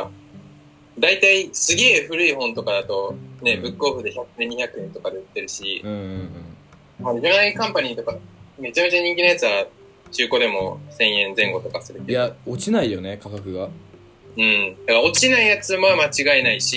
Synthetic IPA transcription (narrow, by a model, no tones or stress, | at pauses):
a | d̪ait̪aisɨɡe̞ːɸɯ̟ɾɯ̟iɦõ̞nt̪o̞kad̪at̪o̞ne̞bɯ̟kːɯ̟oɸɯ̟d̪e̞çakɯneɲ̟içakɯ̟ẽ̞nt̪o̞kad̪eɯ̟t̪ːe̞ɾɯ̟ɕiɯ̃ɯ̃ɴ | maomaiikãmpaɲ̟iːt̪o̞kame̞t͡ɕame̞t͡ɕaɲ̟ĩŋkʲino̞jat͡sɨβa | t͡ɕɨːko̞d̪e̞mo̞̰sẽ̞ɰ̃ẽ̞nd͡zẽ̞ŋɡo̞t̪o̞kasɨɾɯ̟k̪ːejaot͡ɕinaijo̞nekakakɯ̟ɡa | ɯ̟̃ɴd̪akaɾao̞t͡ɕinaijat͡sɨmamat͡ɕiɡaenaiɕi